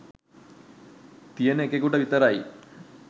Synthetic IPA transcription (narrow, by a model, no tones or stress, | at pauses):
t̪ijenekeɡuʈɐʋit̪əɾaj